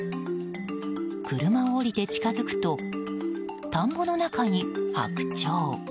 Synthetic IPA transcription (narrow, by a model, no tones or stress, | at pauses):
kɯ̟ɾɯ̟maoːɾʲit̪e̞t͡ɕi̥kazɨkɯ̟̥t̪o̞ | t̪ãmbo̞no̞nakaɲ̟iha̰kɯ̟̥t͡ɕoː